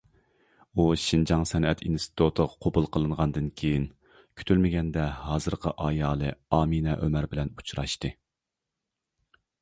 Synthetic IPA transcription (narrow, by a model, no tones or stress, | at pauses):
uʃind͡ʒɑŋsɛnɛt̪ʰinst̪ʰɪ̥t̪ʰut̪ʰəʁɑqʰobulˠqʰəlˠɨnʁɑnd̪ɨnkʲʰejin | kʲʰy̥t̪ʰylmɪɡʲɛnd̪ɛɦɑːzɨɾqʰəʔɑːjɑːlˠɨɑːminɛʔømæɾbɪlɛnu̥t͡ʃʰɾɑʃt̪ɨ